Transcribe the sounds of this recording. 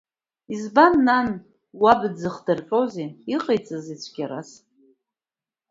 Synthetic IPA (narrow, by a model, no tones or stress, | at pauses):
izbanːan | wabɨd͡zɨχdɨrqʷʼowzeiqʼejt͡sʼɨzit͡ɕʷʰɡʲaɾas